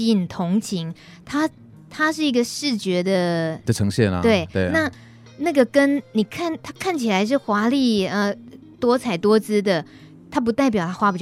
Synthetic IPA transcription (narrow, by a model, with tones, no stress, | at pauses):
i˥˩nt̪ʰʊ˧˥ŋt͡ɕʰi˧˥ŋ | t̪ʰa˥ | t̪ʰa˥ʂɻ̩˥˩i˧˥ɡə˧ʂɻ̩˥˩t͡ɕɥɛ˧˥d̪ə˧d̪ə˨ʈ͡ʂʰɤ˧˥ŋɕjɛ˥˩nə̰˧t̪we˥˩ɪwe˥˩na˥˧ | na˥˩ɡə˨˩kə˥nni˨˩kʰa˥˩nt̪ʰa˥kʰa˥˩nt͡ɕʰi˨˩la˨˧˥ɪʂ̬ɻ̩˥˩xwa˧˥li˥˩ə˩ | t̪wɔ˥t͡sʰa˨˩ɪt̪wɔ˥t͡sɹ̩˥d̪ə˨ | t̪ʰa˥p̬u˧˥t̪a˥˩ɪp̬jɑ˨˩ʊt̪ʰa˥xwa˧˥pi˨˩t͡ɕ